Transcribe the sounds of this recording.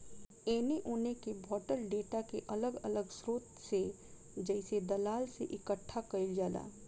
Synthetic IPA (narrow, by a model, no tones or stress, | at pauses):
eːneʔoːnekebʱɔːʈəlɖeːʈakeʔɐləɡɐ̰ləɡsɾoːt̪se | d͡ʒɛːsed̪ɐlaːlseʔɪkəʈʰːakɐɪld͡ʒaːla̰ː